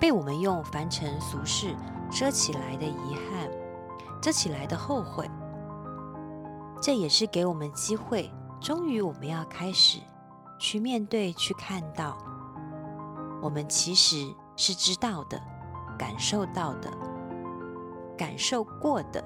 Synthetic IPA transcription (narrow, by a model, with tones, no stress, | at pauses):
pe˥˩ɪwɔ˨˩mə˦njʊ˥˩ŋfa˧˥nʈ͡ʂʰə˧˥ŋsu˧˥ʂɻ̩˥˩ | ʈ͡ʂɤ˥t͡ɕʰi˨˩la˧˥ɪd̪ə˧i˧˥xa˥˩n | ʈ͡ʂɤ˥t͡ɕʰi˨˩la˧˥ɪd̪ə˧xo˥˧ʊxwe˥˩ɪ | ʈ͡ʂɤ˥˩jɛ˨˩ʂɻ̩˥˩ke˧˥ɪwɔ˨˩mə˦nə˧t͡ɕi˥xwe˥˩ɪʈ͡ʂʊ˥ŋy˧˥wɔ˨˩mə˦njɑ˥˩ʊkʰa˥ɪʂɻ̩˨˩ | t͡ɕʰy˥˧mjɛ˥˧nt̪we˥˧ɪt͡ɕʰy˥˧kʰa˥˧nt̪ɑ˥˩ʊ | wɔ˨˩mə˦nt͡ɕʰi˧˥ʂɻ̩˧˥ | ʂɻ̩˥˩ʈ͡ʂɻ̩˥t̪ɑ˥˩ʊd̪ə̰˩ka̰˨˩nʂo˥˧ʊt̪ɑ˥˩ʊd̪ə̰˩ | ka̰˨˩nʂo˥˧ʊkwɔ˥˩d̪̥ə̰˩